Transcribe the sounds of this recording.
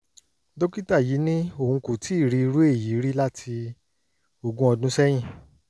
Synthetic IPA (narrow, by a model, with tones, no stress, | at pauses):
do˦ki˦ta˦˨ji˨˦nĩ˦o˦˨ũ˧ko˨tʰi˨˦i˦˨ɾi˧˦˧ɾu˦e˦˨ji˨˦ɾi˦la˦tʰi˧ | o˨ɡũ˦ɔ˧dũ˦sɛ˦j̃ĩ˦˨